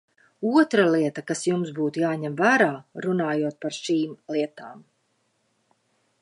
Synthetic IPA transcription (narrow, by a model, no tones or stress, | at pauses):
uɔt̪ɾalˠiɛt̪akasjumsbuːt̪ujaːɲɛmvæːɾaːɾunaːjuɔt̪̚paɾʃiːmlˠiɛt̪aːm